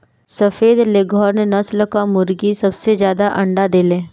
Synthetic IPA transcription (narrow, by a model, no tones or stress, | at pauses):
sɐfeːd̪leɡʱɔːɾnenɐslkamʊɾɡisɐbsezjaːd̪aʔɐ̃ɳɖad̪eːlẽː